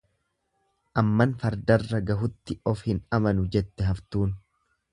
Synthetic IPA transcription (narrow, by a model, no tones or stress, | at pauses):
ʔɐmːɐnfɐɾd̪ɐrːɐɡɐɦʊt̪ːɪɔfhɪnɐmɐnʊd͡ʒɛt̪ːɛɦɐft̪uːn